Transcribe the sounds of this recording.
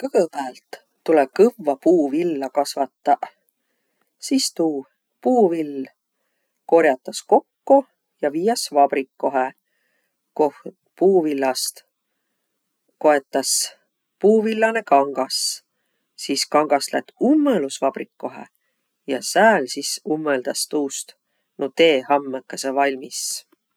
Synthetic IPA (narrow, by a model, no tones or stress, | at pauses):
kɤɡ̥əpæːlt̪ː | ule̥kɤvːɑpuːvilːɑkɑsvɑt̪ːɑ | sist̪uː | puːvil | ko̞ɾjɑt̪ːˑɑsko̞kːu | jɑviːjɑsvɑb̥rikːoɦe | koh | puːvilːɑst̪ | ko̞e̞t̪ːˑɑs | puːvilːɑne̞kɑŋɡ̥ɑs | siskɑŋɡ̥ɑslæ̰t̪ːˑumːelusvɑb̥rikːo̞ɦḛ | jɑsæːlsisumːeld̪̥ɑst̪uːst̪ | not̪eːhɑmːekːɑsevɑlʲmis